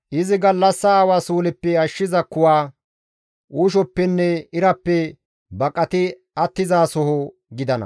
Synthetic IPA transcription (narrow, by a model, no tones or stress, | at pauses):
ʔɪzɪɡɐlːɐsːɐːwaːsuːlɪpːɛɐʃːɪzɐkːʊwaː | ʔuːʃ̬ɔpːɛnːɛɪɾɐpːɛ | bɐkʼɐt̪ɪ | ɐt̪ːɪzaːsɔɦɔ | ɡɪd̪ɐnɐ̰